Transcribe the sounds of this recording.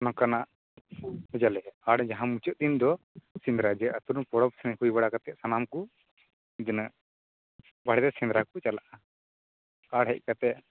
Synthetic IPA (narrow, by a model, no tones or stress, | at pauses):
nãkanaʔ | hud͡ʒalɛaɽɛd͡ʒaɦãmut͡ʃɔʔ̚d̪ind̪ɔ | sind̪ɾad͡ʒɛʔat̪uɾnpɔɽɔp̚sɛnhujbaɽakat̪ɛʔsanamku | id̪əna | baɽɛd̪ɛsĩnd̪ɾakut͡ʃalaʔa | kaɽɦɛc̚ˀkat̪ɛʔ